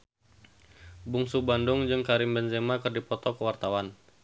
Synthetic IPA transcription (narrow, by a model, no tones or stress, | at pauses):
buŋsubandʊŋd͡ʒɨŋkaɾɪmbɛnzemakɨrdipɔt̪ɔkəwart̪awan